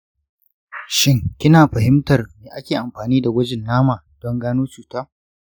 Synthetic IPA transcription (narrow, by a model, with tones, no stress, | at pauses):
ʃɪ˦ŋkʲɪ˦naː˨ɸɐ˨ɦɪ˦mtɐ˨rmeː˨ʔa˦kʲeː˨ʔa˨mɸaː˨niː˦da˨ɡʷɐ˦d͡ʒɪ˨nːaː˦maː˨d̥ɔ˦ŋɡaː˦noː˦t͡ʃuː˨taː˦